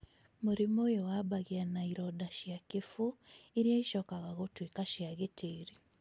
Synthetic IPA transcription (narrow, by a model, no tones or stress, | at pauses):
muɾimojowabaɣianaiɾɔdaʃiakifuiɾijaiʃɔkaɣaɣotwekaʃiaɣetʰeːɾi